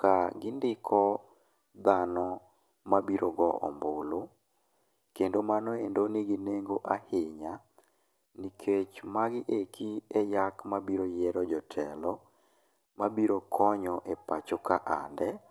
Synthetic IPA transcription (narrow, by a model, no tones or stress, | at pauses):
kaɡɪndɪkʰɔ | d̪anɔ | mabiɾoɡɔʔɔ̰mbolo | kendomanɔendonɪɡineŋɡoʔahɪɲa | nikʰet͡ʃmaɡɪʔekʰiɛjakmabiɾojɛɾɔd͡ʒɔtʰɛlɔ | mabiɾokʰɔɲɔʔɛpat͡ʃokaʔa̰ndɛ